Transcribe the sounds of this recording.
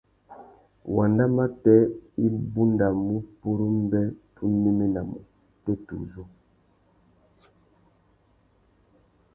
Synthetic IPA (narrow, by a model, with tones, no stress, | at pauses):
wa˨nda˦ma˦tɛ˦i˦bu˦nda˨mu˦pu˦ɾu˦m˦bɛ˦pʰu˦nːi˦mi˦na˨mṵ˨ | tɛ˦tṵ˨zo˦